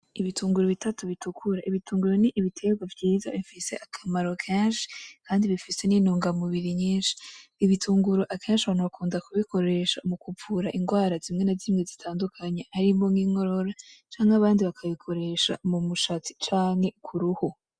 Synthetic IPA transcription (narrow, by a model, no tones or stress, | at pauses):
iβitʰuːŋɡuɾoβitʰatuβitukʰuɾaʔiβituːŋɡuɾo̞niʔːβitʰe̞ɡwavɟiːza̰βifise̞ʔakʰamaɾo̞kʰeːnʃi̥kaːndiβifise̞niːnuːŋɡamuβiɾiɲiːnʃi̥ːβitʰuːŋɡuɾo̞ʔakʰeːnʃaβaːnuβakuːndakuβikʰo̞ɾe̞ʃamukuvuɾaʔiŋɡwaːɾazimŋe̞nazimŋezitʰaːndukʰaɲeaɾimoŋiːŋo̞ɾo̞ɾat͡ʃaːŋaβaːndiβakʰaβikʰo̞ɾe̞ʃa̰mumuʃat͡si̥t͡ʃaːŋhe̞kʰuɾuho